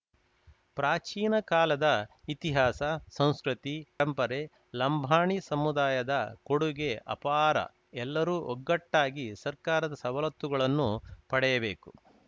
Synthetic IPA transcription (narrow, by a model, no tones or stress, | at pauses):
pɾaːt͡ʃiːnɐkaːlɐd̪ɐit̪iɦaːsɐsɐ̃w̃skɾut̪iɐmpɐɾe | lɐmbʱaːɳisɐmud̪aːjɐd̪ɐkoɽuɡe̞ʔɐ̰paːɾɐ̰ | ɛlːɐɾuːʔɔɡːɐʈːaːɡisɐɾkaːɾɐd̪ɐsɐʋɐlɐt̪ːuɡɐɭɐnːupɐɽɛjɐbe̞ːku